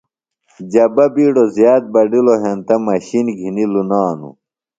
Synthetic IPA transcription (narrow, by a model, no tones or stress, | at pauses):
d͡ʑɐbɐbiːɖozjaːt̪̚bɐɖiloɦent̪ɐmɐɕinɡʱinilunaːnṵ